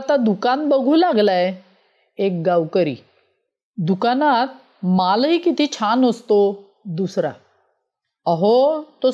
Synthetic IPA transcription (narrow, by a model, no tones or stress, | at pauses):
at̪ad̪ukanbəɡʱũːlaɡlaje | ek̚ɡawkəɾḭː | d̪ukanat̪̚ | malɦiːkit̪ʰiːt͡ɕʰanəst̪o | d̪usɾa̰ | əɦot̪o